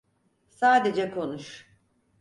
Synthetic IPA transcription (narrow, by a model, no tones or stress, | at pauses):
saːd̪e̞d͡ʒɛkʰo̞nuʃ